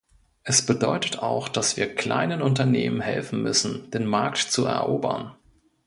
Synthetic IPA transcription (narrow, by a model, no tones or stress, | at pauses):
ʔɛsb̥ədɔʏtətaʊxd̥asv̥iːɐkl̥a̰ɪnənʊntɐneːmənɦɛ̰lfn̩mʏsn̩d̥eːnmaɐktt͡suɛ̰ɐʔoːbɐ̰n